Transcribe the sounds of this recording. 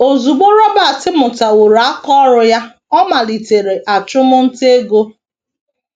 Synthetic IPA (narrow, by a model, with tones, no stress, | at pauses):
o˨zu˨ɡ͡bo˦ɾɔ˦ba˦˨tɪ˦mʊ˨ta˨wo˨ɾa˦kɔ˦ɾʊ˦ja˦ | ɔ˦ma˨li˨te˨ɾe˨ʔa˨t͡ʃʊ˦mʊ˦n̩˦te˦ɡo˦